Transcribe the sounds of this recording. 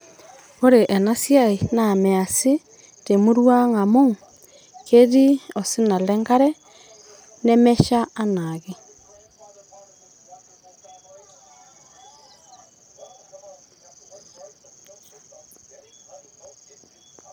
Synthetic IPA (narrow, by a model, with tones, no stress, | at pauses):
o˦ɾe˨ʔɛ˨na˦sja˦i˨na˨mɛ˨a˨si˦ | te˨mu˦ɾwa˦ŋa˨mo˦ | ke˦ɾi˦ɔ˨si˦na˨lɛ˦ŋɡa˦ɾɛ˦ | nɛ˦mɛ˦ʃa˦a˦na˨ɣe˦